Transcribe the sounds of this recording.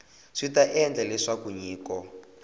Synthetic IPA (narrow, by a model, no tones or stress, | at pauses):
ʂitaʔɛnd͡ɮɛlɛʂakuɲiːkɔ